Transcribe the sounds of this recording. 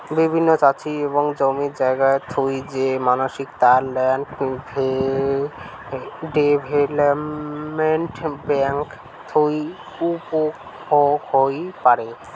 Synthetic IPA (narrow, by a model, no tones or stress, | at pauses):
bibʱinːot͡ɕat͡ɕʰieboŋd͡ʑomiɾd͡ʑaeɡaet̪ʰojd͡ʑemanoʃikt̪aɾlɛnbʱe | ɖebʱelapmeɳʈbɛŋk | t̪ʰoi | upo | hoɡhojpaɾe